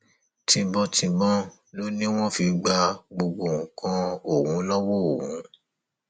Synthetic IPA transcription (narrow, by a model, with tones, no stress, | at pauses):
tĩ˧bɔ˧tĩ˧bɔ̃˦ | lo˦nĩ˦w̃ɔ̃˦fi˧ɡ͡ba˧ɡ͡bo˧ɡ͡bo˨wũ˨kã˧˦o˨wũ˨˦lɔ˦wɔ˦o˨wũ˨˦